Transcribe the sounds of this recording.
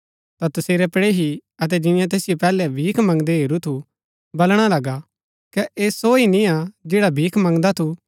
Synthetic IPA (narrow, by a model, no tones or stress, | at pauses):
t̪at̪ʊseːɾɛpɽeɦiɐt̪̬ɛd͡ʒɪnɪ̃jãt̪eːsɪjopɛːlɛbʱiːkʰmɐ̃ŋɡd̪eɦeːɾut̪ʰu | bɐlɽ̃alɐɡa | kɛʔeːsoːinĩad͡ʒeːɽabʱiːkʰmɐ̃ŋɡd̪at̪ʰu